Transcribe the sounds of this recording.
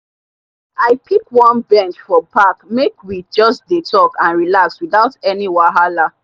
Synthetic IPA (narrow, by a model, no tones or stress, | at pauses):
aɪpʰikwɔ̃nbɛ̃nt͡ʃfɔpakmekwid͡ʒɔsdetɔkãnɹilakswiðaʊtɛniwaɦala